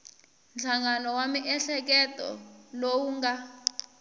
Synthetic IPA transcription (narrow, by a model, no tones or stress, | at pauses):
nd͡ɮʰaŋanɔwamiʔɛɬɛk̬ɛtʼɔ̰lowuŋɡa